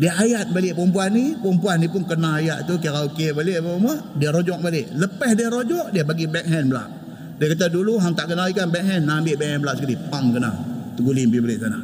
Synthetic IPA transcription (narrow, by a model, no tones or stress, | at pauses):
diəajat̪̚balɪʔpumpuanːipɔmpuanːipʊnkənaajaʔ̪t̪uk̬iɾaokebaleʔpəmadiəɾod͡ʒɔk̚baleʔləpɛhdiəɾod͡ʒɔʔ̚diəbaɡibɛk̚ɦɛnbəla̰ʔ | diəkat̪̬aduluɦaŋt̪aʔkənalikanbɛk̚hɛnːambɪʔbɛk̚hɛnblaʔsəkəlipaŋkəna̰t̪əɡulimbibalɪʔsana̰h